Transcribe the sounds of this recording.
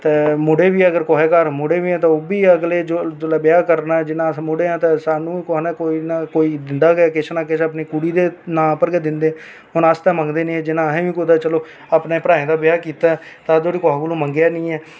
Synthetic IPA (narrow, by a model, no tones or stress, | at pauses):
t̪eːmʊɽeːʋiːəɡəɾkoːeːkəɾmʊɽeːʋiːɛ̃ːt̪ãːoːbiːəɡleːd͡ʒod͡ʒolaːbɪjaːkəɾnaːɛːd͡ʒɪnãːmʊɽeːɛ̃ːt̪ãːsaːnũːiːkoɦaːnaːkoːinakoːiːd̪ɪnd̪aːɡaːkɪt͡ʃʰnaːkɪt͡ʃəpniːkuːɽiːd̪eːnãːpəɾɡeːd̪ɪnd̪eː | ɦʊnast̪ãːməŋɡd̪eːnĩːd͡ʒɪnãːɦẽːʋiːkod̪aːt͡ʃəloː | apneːpɾãːẽːd̪aːbɪjaːkiːt̪aːɛ | t̪ãːd̪oːɽiːkoɦaːɡolõːməŋɡjaːnĩːɛː